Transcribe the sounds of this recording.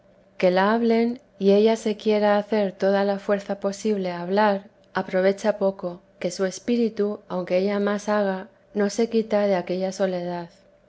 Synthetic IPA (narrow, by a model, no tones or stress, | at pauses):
ke̞laaβle̞n | ie̞ʎase̞kje̞ɾaːθe̞ɾt̪o̞ð̞alafwe̞ɾθapo̞siβ̞le̞aβ̞laɾ | apɾo̞β̞e̞t͡ʃapo̞ko̞ | ke̞sue̞spiɾit̪uawŋkeeʎamasaɣ̞a | no̞se̞kit̪að̞e̞ake̞ʎaso̞le̞ð̞að